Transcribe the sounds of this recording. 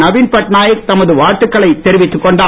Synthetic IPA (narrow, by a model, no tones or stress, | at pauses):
nɐʋiːnpɐʈnaːjɐɾt̪ɐmɐðɯʋaːʈːɯkːɐɭɐɪt̪ːɛɾɪʋɪt̪ːɯkːɔɳɖaː